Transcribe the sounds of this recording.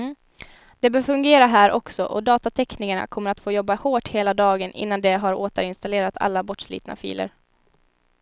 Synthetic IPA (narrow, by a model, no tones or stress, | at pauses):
d̪̥ɛbœːɾfɵŋɡeːɾaɦæːɾʔɔksɔʔɔd̪ɑːt̪at̪ʰɛknɪŋaɳa̰kʰɔmːəɾat̪foːjɔbːahoːʈheːlad̪ɑːɡənʔɪ̰nːand̪ɛɦaɾoːt̪əɾɪnst̪aleːɾat̪ʰa̰lːabɔʈʂlḭːt̪na̰fḭːlə̰ɾ